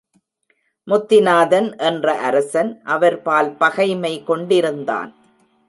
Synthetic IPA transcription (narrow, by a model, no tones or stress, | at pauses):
mʊt̪ːɪnaːðɐnʔɛndrɐʔɐɾɐsɐnʔɐʋɐɾpaːlpɐɣɐɪmɐɪkɔɳɖɪɾɯnd̪a̰ːn